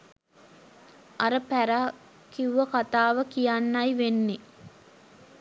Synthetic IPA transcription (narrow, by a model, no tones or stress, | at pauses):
ʔaɾəpæɾa | kiuʋɐkat̪aːʋəkijanːɐjʋenːe